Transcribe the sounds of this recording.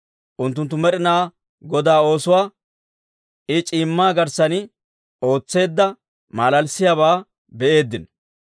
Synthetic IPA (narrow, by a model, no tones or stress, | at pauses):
ʔʊnt̪̬ːʊnt̪ːʊmɛɾɪnaː | ɡɔd̪aːo̞ːsʊwaː | ɪt͡ʃʼiːmːaːɡɐɾsɐn | o̞ːt͡sːe̞ːd̪ːɐ | maːlɐlsɪjaːβaː | bɛʔe̞ːd̪ːɪn